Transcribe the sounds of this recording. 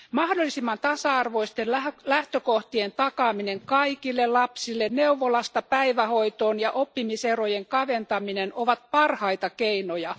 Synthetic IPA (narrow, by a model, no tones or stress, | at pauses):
mɑhdolːˑisimːɑnt̪ɑsɑɑrʋoist̪enælæht̪økoht̪ient̪ɑkɑːmineŋkɑikilːellɑpsilːenneuʋːolɑst̪ɑpæiʋæhoit̪oːnjɑʔopːimiserojeŋkɑʋent̪ɑminenoʋɑt̪̚pɑrhɑit̪ɑkeinojɑ